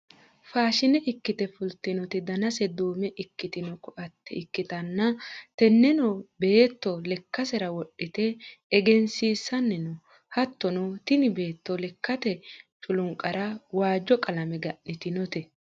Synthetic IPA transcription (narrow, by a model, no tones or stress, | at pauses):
faːʃɪnɛʔɪkːɪt̪ɛfʊlt̪ːɪnɔt̪ɪd̪ɐnɐsɛd̪uːmɛʔɪkːɪt̪ɪnɔkɔʔɐt̪ːɛɪkːɪt̪ɐnːɐt̪ɛnːɛnɔbe̞ːt̪ːɔlɛkːɐsɛɾɐwɔɗːɪt̪ɛːɡɛnsiːsːɐnːɛnɔ | hɐt̪ːɔnɔt̪ɪnɪbe̞ːt̪ːɔlɛkːɐt̪ɛt͡ʃʼʊlʊŋkʼːɐɾɐwaːd͡ʒːɔkʼɐlɐmɛɡɐʔːɪt̪ɪnɔt̪ɛ